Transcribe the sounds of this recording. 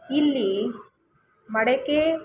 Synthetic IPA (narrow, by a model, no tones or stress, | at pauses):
ilːi | mɐɽeke